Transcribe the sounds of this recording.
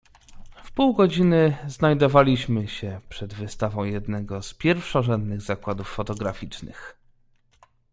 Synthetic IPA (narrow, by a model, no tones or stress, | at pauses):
fpuwɡɔd͡ʑinɘznajd̪ɔvalʲiɕmɘɕɛpʂɛd̪vɘst̪avɔ̃w̃jɛd̪nɛɡɔspʲjɛɾfʂɔʐɛnd̪nɘɣzakwad̪ufːɔt̪ɔɡɾafʲit͡ʂnɘ̰x